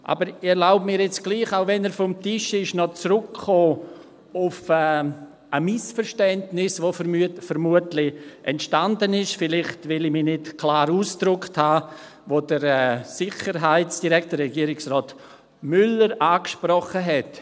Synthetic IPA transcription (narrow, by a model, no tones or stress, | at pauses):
ʔa̰ːbəɾɪɛɾlaʊbəmiːɾjɛt͡sɡ̥liːχaʊvɛnɛːɾfɔmtɪʃɪʃnɔt͡sɾʊkχoː | ʊfɛː | ʔəmɪsfəɾʃtɛntnɪsvofəɾmuətlɪʔɛntʃtandənɪʃfɪlɪχtvɪlimiːnɪtkʰlaːɾuːsd̥ɾʊkthaː | voːd̥əɾɛsɪχəɾɦaɪtsd̥iɾɛktdərɛɡiəɾɪksrɔːt | mʏləɾʔaːkʃprɔχəɦɛt